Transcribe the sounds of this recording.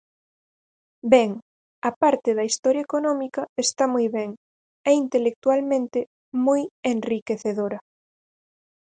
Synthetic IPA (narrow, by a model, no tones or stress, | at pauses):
bɛŋ | ɐpaɾt̪eðɐist̪ɔɾjaekonɔmikɐest̪amujβɛŋ | ɛint̪elek̚t̪ualmẽnt̪e | mujenrikeθeðoɾɐ